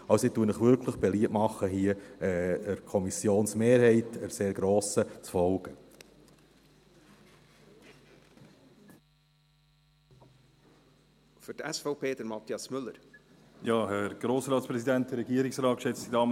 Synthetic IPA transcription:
ɑʊsituːənəχʋʏɾkʰləχb̥ɛliətmɑχːəɦiəɛəɾkʰɔmisjoːnsmeːɾhɛɪtəɾseːɾɡ̥ɾoːsət͡sfɔlɡ̥ə | fyɾtɛsfɔʊpeːdəɾmɑt̪iɑsmʏlːəɾ | jɑːhɛɾɡ̥ɾoːsɾɑːtspɾɛsid̪ænt̚dəɾːɛɡiːəɾɪksɾɑːt̚kʃɛt͡sdidɑː

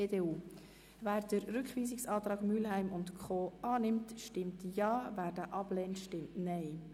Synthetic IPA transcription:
eːdeːuː | væːɾdəɾɾʏkχʋiːzɪksɑːt̪ɾɑːɡmylɦɛɪmʊntkʰχoːɑːnɪmtʃtɪmtjɑːvæːɾdəʔɑb̥lɛːntʃtɪmtnɛɪ

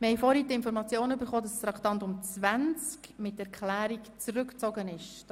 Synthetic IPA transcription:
məhɛjfɔɾhitɪnfɔɾmɑt͡sjoːnybəɾχoːd̥ɑsɾɑkʰtɑntʊmt͡svænt͡skmɪtːɛɾkχlæːɾikt͡sɾʏkt͡sɔɡənɪʃ

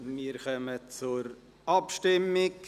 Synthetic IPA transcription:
miːɾkœmət͡sʊɾ | ɑpʃtɪmɪk

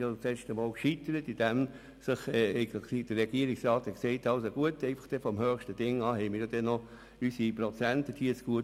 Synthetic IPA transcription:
jot͡sɛːʃtəmɔːlkʃit̪əɾətid̥æm | sɪχɛːɛɪɡəlid̥əɾːɛɡ̥iəɾiksɾɑːtɛksɛɪtɑlsoɡ̥uətɛɪfɑ̥χd̥ɛfɔmhøːχʃtəd̥ɪŋɑːɦɛɪmiːɾjod̥ɛnːɔ | ysiprɔt͡sæntəd̥iəsɡ̥uət

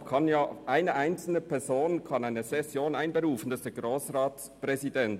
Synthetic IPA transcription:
kʰɑnjaːʔaɪnəʔaɪnt͡sl̩nəpʰɛʁz̥oːnkʰɑnaɪnəzɛsjoːnaɪnbəʁuːfn̩d̥ɑsd̥ɛɡʁoːsʁaːspʁɛzidɛnt

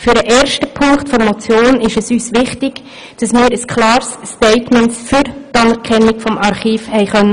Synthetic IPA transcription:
fyɾdəʔɛːɾʃtəpʰʊŋktfɔɾmɔt͡sjoːnɪʃɛsyːsʋɪχtɪɡ̥ | d̥ɑsmɪːɾəskʰlɑːɾstɛɪtmɛntfyɾtɑnɛɾkʰɛnːɪɡfɔmɑɾχiːfhɛɪχœnːə

